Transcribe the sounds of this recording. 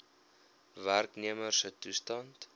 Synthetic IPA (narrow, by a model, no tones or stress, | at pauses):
værkniəmərsətustɑnt